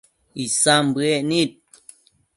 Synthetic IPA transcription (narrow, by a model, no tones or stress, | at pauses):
isambɨeʔnit̪̚